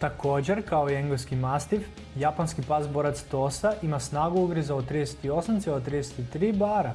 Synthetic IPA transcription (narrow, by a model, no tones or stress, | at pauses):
t̪ako̞ːd͡ʑe̞ɾkaoieŋɡoskimast̪if | japanskipazboɾat̪st̪o̞saʔimasnaːɡuuɡɾizaot̪ɾiːd̪eset̪io̞samt̪selˠot̪ɾiːd̪ese̥t̪it̪ɾiːbaːɾa